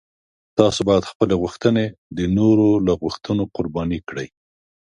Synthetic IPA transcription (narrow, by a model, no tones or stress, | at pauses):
t̪ɑsobɑjad̪xpəleɣuxt̪əned̪ənoɾolaɣuxt̪ənoqʊɾbɑnikɽəj